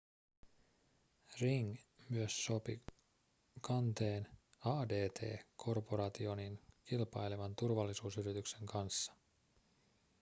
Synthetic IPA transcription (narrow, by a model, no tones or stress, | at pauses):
riŋmyøsːo̞pḭ | kɑnt̪e̞ːnɑːde̞ːt̪ʰe̞̰ːkʰo̞rpoɾɑt̪io̞ninkilpɑjleʋɑnt̪urʋɑlːisuːsyɾit̪ykse̞ŋkʰɑnsːɑ̥